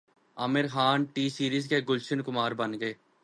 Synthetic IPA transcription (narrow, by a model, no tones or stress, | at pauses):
ə̰mɪɾxaːnʈiːsiːɾiːzkeːɡʊlʃɪnkʊmaːɾbənɡəeː